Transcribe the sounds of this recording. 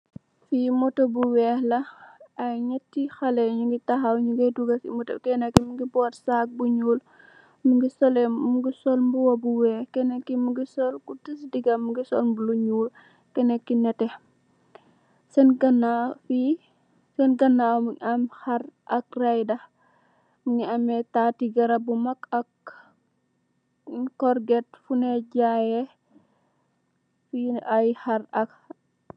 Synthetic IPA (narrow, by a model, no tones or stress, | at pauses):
fimɔtɔbuwɛːhlɐɐjɲɛtːixɐlɛɲuŋɡitɐxɐwɲuɡɐduɡɐfḭmɔtɐ̰kɛnɐkːimuɡibɔːtsak̚buɲuːl | muŋɡisɔlɛmuɡisɔlmbuwɐbuwɛːhkɛnɛkːimuɡisɔlkutisdiɡɐmːuɡisɔ̰lmbuluɲuːl | kɛnɛkːinɛtɛ | sɛnɡɐnafi | sɛnɡɐnːawmuɐmhɐrʔɐk̚rajdɐ | muɲiɐmɛtatiɡɐɾɐbumɐkɐk | kɔɾɡɛt̚funɛɟajɛ | fiʔajhɐɾɐk